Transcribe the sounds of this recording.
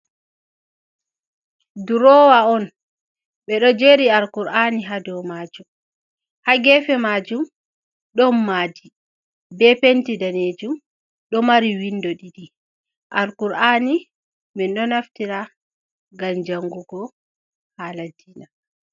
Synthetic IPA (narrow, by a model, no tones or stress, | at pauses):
duɾɔːwaɔn | ɓɛɗɔd͡ʒeɾiaɾkuɾaniɦadɔwmaːd͡ʒum | haɡɛfɛmaːd͡ʒum | ɗɔmːaːdi | bɛpentidaned͡ʒum | ɗɔmaɾiwindɔɗiɗi | ʔaɾkuɾani | minɗɔnaftiɾa | ɡamd͡ʒaŋɡuɡɔ | haladiːna